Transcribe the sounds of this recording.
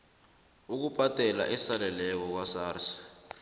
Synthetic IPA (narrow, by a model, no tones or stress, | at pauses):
uk̬upʼatʼɛla̰ʔɛsalɛlɛk̬ɔk̬wasaːrsḁ